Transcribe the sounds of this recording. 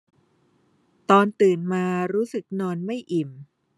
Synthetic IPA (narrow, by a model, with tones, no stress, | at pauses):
t̪ɔː˧nt̪ɯː˨˩nmaː˧ɾuː˦˥sɯ˨˩k̚nɔː˧nma˥˩jʔi˨˩m